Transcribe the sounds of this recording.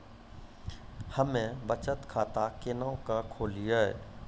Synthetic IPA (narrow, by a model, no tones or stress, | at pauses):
həmẽbət͡ʃət̪kʰaːt̪akɪnəõkakʰoːlijaɛ̰